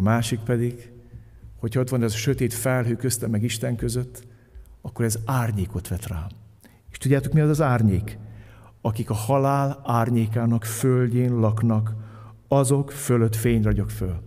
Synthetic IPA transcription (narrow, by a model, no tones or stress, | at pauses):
maːʃik̚pɛd̪iɡ | ho̞cʰhɒot̪ʋɒnɛzʃøt̪eːt̪fɛlɦøːkøst̪ɛmɛɡiʃt̪ɛŋkøzøt̪ː | ɒkːo̞ɾɛzaːrɲeːko̞t̪ʋɛt̪raː | e̥ːʃt̪udɟːaːt̪o̞kmijɒt̪ːɒzaːrɲeːk | ɒkikɒhɒlaːlaːrɲeːkaːnɒkfølɟeːnlɒknɒk | ɒzo̞kføløt̪feːɲrɒɟokføl